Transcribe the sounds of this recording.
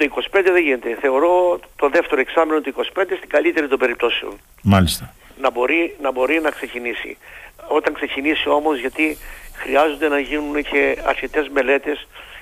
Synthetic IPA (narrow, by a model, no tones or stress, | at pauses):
t̪oiko̞si̥pe̞nd̪eðeʝine̞t̪e̞θe̞o̞ɾo̞t̪o̞ðe̞ft̪e̞ɾo̞e̞ksɐmino̞t̪uiko̞si̥pend̪est̪iŋɡɐlit̪e̞ɾit̪obe̞ɾip̚t̪o̞seo̰n | mɐlist̪ɐ | nɐbo̞ɾinɐbo̞ɾinɐkse̞cinisḭo̞t̪ɐŋkse̞cinisio̞mo̞zʝɐt̪ixɾiɐzo̞nd̪e̞nɐʝinunecʰe̞ɐ̰ɾçe̞t̪e̞zme̞le̞t̪e̞s